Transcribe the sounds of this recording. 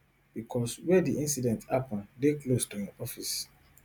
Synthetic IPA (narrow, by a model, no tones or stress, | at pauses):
b̥ikʰɔswɛdiʔĩnsidɛ̃ntʰapɔ̃ndeklostuĩɔfis